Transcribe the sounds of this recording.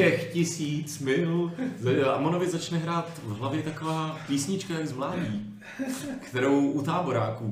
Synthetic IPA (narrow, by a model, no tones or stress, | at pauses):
ɛxcɪsiːt͡smɪluzaa̰monovɪzat͡ʃnɛɦɾaːt̪vɦlavjɛt̪akovaːpiːsɲɪt͡ʃkajɛnzmlaːdiː | kt̪ɛɾo̞wʔut̪aːboɾaːkuː